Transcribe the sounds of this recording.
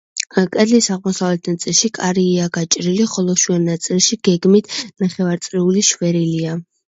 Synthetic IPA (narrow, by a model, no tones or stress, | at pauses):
kʼɛd̪lisaʁmɔsavlɛt̪ʰnat̪sʼilˠʃikʼaɾiːaɡat͡ʃʼɾiliχɔlˠɔʃwɛnːat̪sʼilˠʃiɡ̥ɛɡmit̪ʰnaχɛvaɾt̪sʼɾiuliʃvɛɾilia